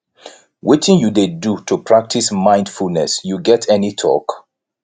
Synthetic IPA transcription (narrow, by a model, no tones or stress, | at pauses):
wɪtɪ̃njudedutʰupʰɹ̥ak̚tʰismãɪ̃nd̥fulnɛsjuɡɛtʰɛnitʰɔ̰k